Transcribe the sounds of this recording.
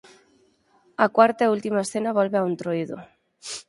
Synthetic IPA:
akwaɾt̪ault̪imaesθenaβ̞olβeaunt̪ɾoiðo

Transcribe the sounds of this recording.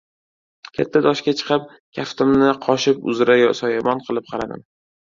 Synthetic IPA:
kʲʰet̪ʰːad̪ɒʃkʲat͡ʃʰɨ̥qʰɨp̚ | kʲʰaft̪ʰɪmnɪqʰɒʃɪpʊ̰zɾajsɒjamɒnqʰɨlˠɪp̚qʰɑɾad̪ɪ̰m

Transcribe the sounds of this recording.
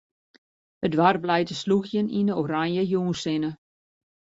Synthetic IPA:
ədʋarblɛjtəsluxjəninəoɾanjəjuːnsɪnə

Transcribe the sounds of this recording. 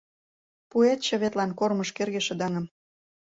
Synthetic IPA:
puet̪ʃŏβet̪lɑnkormɤʃkerɣeʃə̆d̪ɑŋɤ̆m

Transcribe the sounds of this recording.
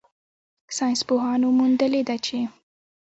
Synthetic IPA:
sɑjnspoɦɑnomund̪əled̪at͡ʃe

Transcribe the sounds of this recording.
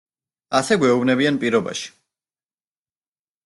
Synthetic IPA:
asɛɡwɛubnɛbianpʼiɾɔba̰ʃi̥

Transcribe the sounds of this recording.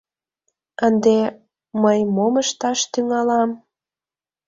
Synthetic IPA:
ənd̪e | məjmoməʃt̪ɑʃt̪yŋɑlɑm

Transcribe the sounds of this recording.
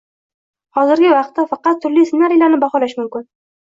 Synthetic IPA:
hɒzɪɾɡʲɪvɑq̚t̪ːafɑqɑt̪ʰːʊɾlijsɪnaɾijlaɾnɪbaχɒlaʃmʊmkʲɪn

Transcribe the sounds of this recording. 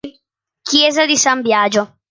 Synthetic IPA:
kʰjɛːzad̪isambjaːd͡ʒo

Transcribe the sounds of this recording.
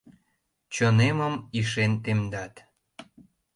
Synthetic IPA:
t͡ɕəneməmiʃent̪emd̪ɑt̪

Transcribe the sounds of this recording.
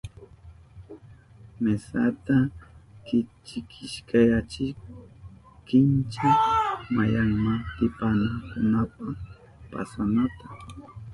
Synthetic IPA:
mesat̪akɪt͡ʃɪkʰɪʃkajat͡ʃɪ | kɪnt͡ʃamajaŋmaŋt̪ɪpanaŋkʊnapa | pa̰sanat̪a

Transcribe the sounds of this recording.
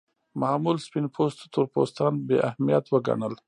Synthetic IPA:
maːmulspinpʰost̪ot̪ʊɾpost̪ɑnbḛʔahmijat̪wəɡa̰ɳəl

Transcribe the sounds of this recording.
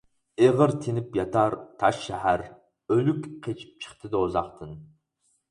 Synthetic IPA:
eʁəɾt̪ʰenɪpjɑt̪ʰɑɾt̪ʰɑʃːæɦæɾ | ølykʲqʰet͡ʃʰi̥p̚t͡ʃʰə̥χt̪ʰɨd̪ɨozɑqt̪ʰɨn

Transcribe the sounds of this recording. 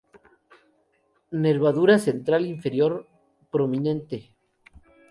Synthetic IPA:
ne̞ɾβaðuɾase̞nt̪ɾaliɱfe̞ɾjo̞ɾ | pɾo̞mĩne̞nt̪e

